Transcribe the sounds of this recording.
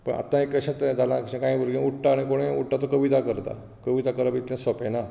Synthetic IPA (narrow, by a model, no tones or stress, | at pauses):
pəɳa̰t̪ːãekːəɕẽt̪d͡zalãkəɕẽkaĩbəɾɡĩuʈʈaːɽ̃ikoɽ̃ẽṵʈʈat̪okəʋit̪akəɾt̪a̰ | kəʋit̪akəɾapit̪lẽsɔpena